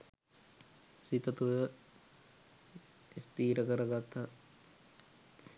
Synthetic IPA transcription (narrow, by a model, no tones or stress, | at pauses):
sit̪ɐt̪ujə | ist̪iːɾəkəɾɐɡat̪ʰːɐ